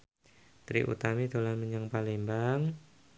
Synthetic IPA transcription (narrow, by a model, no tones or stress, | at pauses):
t̪ɾḭʔṵt̪amid̪olanməɲaŋpalembaŋ